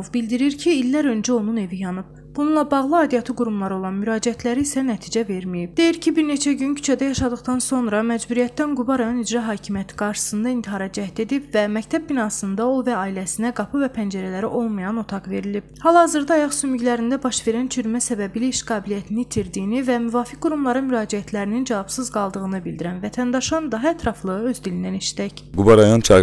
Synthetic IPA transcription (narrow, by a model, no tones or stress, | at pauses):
ovbild̪iɾiɾcʰiːlːæɾø̞nd͡ʒæo̞nune̞vijɑnɯb̥̚ | b̥ununlˠɑbɑɣlˠɯɑːd̪ijɑt̪ʰɯɡuɾumlˠɑɾɯo̞lˠɑnmyɾɑːd͡ʒiæt̪ʰlæɾiːsænæt̪ʰiːd͡ʒæve̞ɾmijib̚d̪e̞jiɾcʰibiɾne̞t͡ʃʰæɟyncʰy̥t͡ʃʰæd̪æjɑʃɑd̪ɯχd̪ɑnso̞nɾɑmæd͡ʒbuɾijæt̪ːænɡubɑɾɑjo̞nid͡ʒɾɑɦɑːcʰimijæt̪ʰi̥ɡ̥ɑɾʃɯ̥sɯnd̪ɑint̪ʰiɦhɑɾɑd͡ʒæht̪e̞d̪ibvæmæct̪ʰæb̚binɑːsɯnd̪ɑo̞lˠvɛɑːilæsinæɡɑpʰɯvɛpʰænd͡ʒæɾælæɾiʔo̞lˠmɑjɑno̞t̪ʰɑqve̞ɾilib̥hɑlˠhɑzɯɾd̪ɑɑjɑχsymyɟlæɾind̪æbɑʃve̞ɾænt͡ʃʰyɾmæsæbæbilæiʃɡɑːbilijæt̪ʰinit̪ʰiɾd̪ijinivæmyvɑːfic̚ɡuɾumlˠɑɾɯnmyɾɑːd͡ʒiæt̪ʰlæɾinind͡ʒævɑbsɯzɡɑlˠd̪ɯʁɯnɯbilʲd̪iɾænvæt̪ʰænd̪ɑʃɯnd̪ɑɦɑɛt̪ʰɾɑflˠɯɯø̞zd̪ilind̪æneʃt̪æçɡubɑɾɑjont͡ʃʰɑ